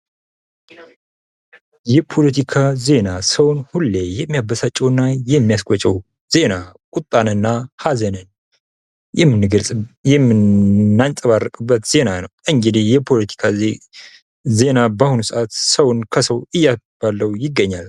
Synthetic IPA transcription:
jɛpʰo̞lət̪ʰikʰaze̞nasəwʊnhulːejɛmːijabəsat͡ʃʼːɛwnːajɛmːijaskʷʼɔt͡ʃʼɛw | z̥e̞nakʼut̪ʼːanɨnːahazənən | jɛmːɨnːɨɡəlʼjɛmɨnːant͡sʼəβarəkʼɨbːət̪z̥e̞nanəwʔɨŋɡɨd̪ihjɛpʰo̞lət̪ʰi̥kʰa | ze̞nabahunusɨʔat̪səwnkʰəsəwɨjːa | b̥alːəwjɪɡːəɲːal

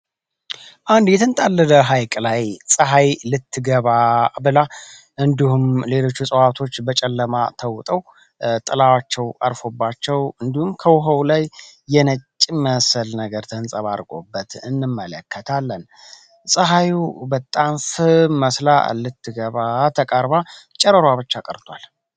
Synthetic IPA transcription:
ʔand̪jɛt̪ʰɨnt̪ʼalːɨd̪əɦajkʼlajsʼəɦajlɨt̪ʰːɨɡəβabɨla | ʔɨnd̪ihumle̞lo̞t͡ʃːusʼəwat̪ʰo̞t͡ʃːbət͡ʃʼɛlːəmat̪ʰəwt̪ʼəw | t̪ʼɨlawat͡ʃːɛwʔa̰ɾfo̞bːat͡ʃːɛwɨnd̪ihumkʰəwʊɦəwlajːɛnət͡ʃʼːməsəlnəɡəɾt̪ʰənsʼəβaɾkʼo̞̰bːət̪ɨnːɨmːələkʰːət̪ʰalːən | sʼəɦajubət̪ʼːamfɨməsla̰lɨt̪ʰːɨɡəβat̪ʰəkʼəɾbat͡ʃʼɛɾəɾwaβɨt͡ʃːakʼəɾt̪ʰwal

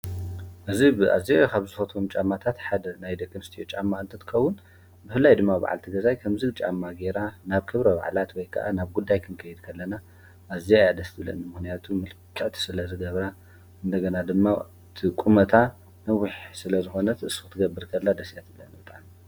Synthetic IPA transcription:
ʔɨzibɨʔa̰ziajkʰaβzɨfɐt̪ʰomt͡ʃʼamːat̪ʰat̪ħad̪ɐnajd̪ɐkʼːɨnɨst̪ʰijot͡ʃʼamːaɨnt̪ʰɐt̪ʰɨ̥xɐwːʊn | bɨfɨlːajd̪ɨmːaba̰ʕa̰lt̪ʰiɡɐzajkʰɐmzɨɡt͡ʃʼa̰mːaɡe̞ɾanaβkʰɨβɾɐba̰ʕlat̪wɔjkʰa̰ʔa̰naβɡud̪ːajkʰɨnkʰɐjɨd̪kʰɐlːɐna | ʔaziajad̪ɐst̪ʰbɨlɐ̰nmɨxnijat̪ʰumɨlkʰːɨʕt̪ʰi̥sɨlɐzɨɡɐβɾa | ʔɨnd̪ɐɡɐnad̪ɨmːa | t̪ʰikʼumɐt̪ʰa | nɐwːɪħsɨlɐzɨxo̞nɐt̪ʰɨʔɨsɨ̥ɨt̪ʰːɨɡɐbːɨɾkʰɐlːad̪ɐsjat̪ʰɨbɨlɐnibɨt̪ʼaʕmi

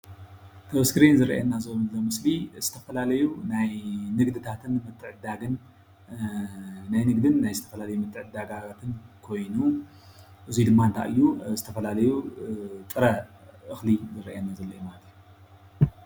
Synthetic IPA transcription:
t̪ʰɐwskɨɾenzɨɾɐ̰ʔḛnːazolːomɨsliz̥ɨt̪ʰɐfɐlalɐjunajnɨɡd̪ɨt̪ʰat̪ʰɨnmɨt̪ʰːɨʕɨd̪aɡɨn | najnɨɡd̪ɨnːajzɨt̪ʰɐ̥fɐlalɐjumɨt̪ʰːɨʕɨd̪aɡaat̪ʰɨnkʰo̞jnu | ʔɨzid̪ɨmːaɨnt̪ʰa̰ʔɨ̰jːuzɨt̪ʰɐfɐlalɐjut̪ʼɨɾɐ | ʔɨxlizɨɾɐ̰ʔanːazɐlːɐjumalɐt̪ʰiju

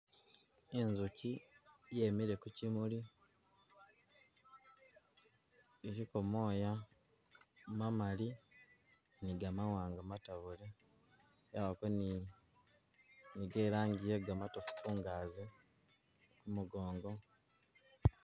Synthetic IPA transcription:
enzucije̞ːmiɾe̞kucimuli | eɾiko̞mo̞ːja | mamali | niɡamawaːŋɡamataβule | jaβakoni | niɡeːɾaːɲɟijeɡamatofu̥kuːŋɡaːze | kumuɡo̞ːŋɡo̞

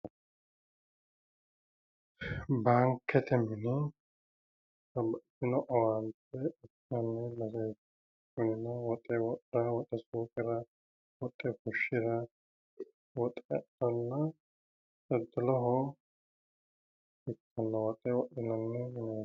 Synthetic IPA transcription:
baŋkːɛt̪ʰɛmɪnɪ | sɐbɐtːɪnɔʔɐwanpɛɪtnɐnːɛlɐsɛ | ʊnɪnɐwɔt̪ʼːɛwɔtʼɾɐwɔt̪ʼːɛsuːkʼɪɾɐ | wɔt̪ʼːɛkʊʃːɪɾɐ | wɔt̪ʼːɛ̰d̪ɔnːɐ | sɔd̪ːɔlɔɦɔ | ɪtːɔnːɐwɔt̪ʼɛwɔɗɪnɐnːɛmɪnɐ

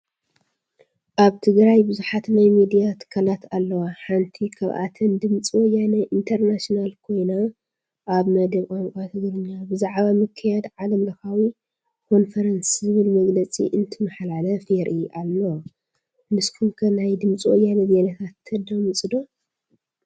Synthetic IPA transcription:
ʔaβt̪ʰɨɡɾajbɨzuħat̪najmid̪ijat̪ʰɨ̥kʰːalat̪alːɐwaħant̪ʰikʰɐβʔa̰t̪ʰɐnd̪ɨmt͡sʼiwojanɐʔint̪ʰɐɾnasnalkʰo̞jna | ʔaβmɐd̪ɐβkʼonkʼat̪ʰɨɡɾɨɲːabɨzaʕβamɨkʰːɐjad̪ʕalɐmlɐxawi | kʰo̞nfɐɾɐnszɨβɨlmɐɡlɐt͡sʼḭʔɨnt̪ʰɨmɐħlalɐfeɾʔiʔalːɐw | nɨskʰumkʰɐnajd̪ɨmt͡sʼiwɔjːanɐzenɐt̪ʰat̪ːɐd̪ɐmɨsʼɨd̪o

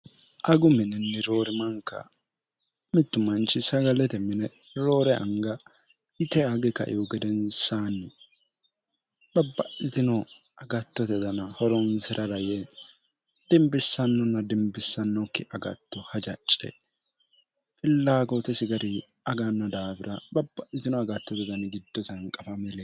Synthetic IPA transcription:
ʔɐɡʊmɪnɛnːɪɾoːɾɪmɐŋkɐ̰ | mɪt̪ːʊmɐnt͡ʃɪsɐɡɐlɛt̪ɛmɪnɛ | ɾoːɾɛʔɐ̰ŋɡɐ | ɪt̪ɛaɡɛkɐ̰ʔɪ̰ɔɡɛd̪ɛnsaːnɪ | bɐbːɐʔɪt̪ɪnɔ | ɐɡɐt̪ːɔt̪ɛd̪ɐnɐhɔɾɔnsɪɾʔɐɾɐjɛ | d̪̥ɪmbɪsːɐnːɔnːɐd̪ɪmbɪsːɐnːɔkːɪʔɐɡɐ̰t̪ːɔhɐd͡ʒɐt͡ʃʼːɛ̰ | pʼɪlːaːɡot̪ɛsɪɡɐɾɪ | ɐɡɐnːɐd̪aːbɪɾɐbɐbːɐʔɪt̪ɪnɔɐɡɐt̪ːɔd̪ɪd̪ɐnɪɡɪd̪ːɔsɐŋkʼɐfɐmɪleː

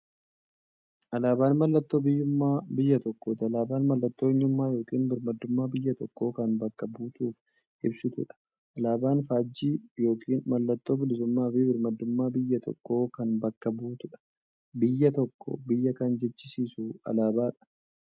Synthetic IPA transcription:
ʔɐlaːbaːnmɐlːɐt̪ːo̞ːbɪjːʊmːaːbɪjːɐt̪ɔkːoːt̪ɪɐlaːbaːnmɐlːɐt̪ːoːɛɲːʊmːaːjo̞ːkʼiːnbɪɾmɐd̪ːʊmːaːbɪjːɐt̪ɔkːo̞ːkɐnbɐkːɐbuːt̪uːf | ʔɪbsɪt̪ʊ̰ᶑɐ̥ | ʔɐlaːbaːnfaːd͡ʒːiːjo̞ːkʼiːnmɐlːɐt̪ːo̞ːbɪlɪsʊmːaːbbɪɾmɐd̪ːʊmːaːbɪjːɐt̪ʰɔ̰kːo̞ːkɐnbɐkːɐbuːt̪ʊᶑɐ̥ | bɪjːɐt̪ɔkːɔ̰bɪjːɐkɐnd͡ʒɛt͡ʃːɪsiːsuɐ̰laːbaːᶑɐ̥

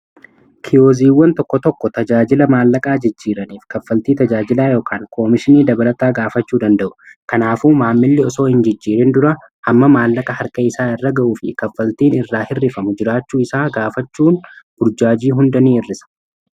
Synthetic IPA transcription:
kʰɪjo̞ːziːwːɐnt̪ɔkːɔt̪ɔkːɔt̪ɐd͡ʒaːd͡ʒɪlɐmaːlːɐkʼaːd͡ʒɪd͡ʒːiːɾɐniːfkɐfːɐlt̪iːt̪ɐd͡ʒaːd͡ʒɪlaːjo̞ːkʰaːŋkʰo̞ːmɪʃɪniːd̪ɐbɐlɐt̪aːɡaːfɐt͡ʃːuːd̪ɐnd̪ɐʔʊ̥kɐnaːfuːmaːmːɪlːɪɔso̞ːhɪnd͡ʒɪd͡ʒːiːɾɛnd̪ʊɾɐ | ʔɐmːɐmaːlːɐkʼɐhɐɾkʼɐɪsaːɪrːɐɡɐʔuːfɪ̰kɐfːɐlt̪iːnɪrːaːhɪrːɪfɐmʊd͡ʒɪɾaːt͡ʃːuːɪsaːɡaːfɐt͡ʃːuːnb̥ʊɾd͡ʒaːd͡ʒiːɦʊnd̪ɐniːɪrːɪsɐ̥

